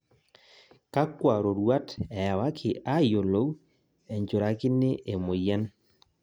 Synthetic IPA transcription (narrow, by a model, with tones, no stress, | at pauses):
ka˦kwa˨ɾo˨ɾwa˦tɛ˨wa˦kʰɪ˨ʔa˦jo˨lo˨˦w | ɛ˨ɲd͡ʒo˨ɾa˨kɪ˦ne˦ʔe˨mo˨ja˦n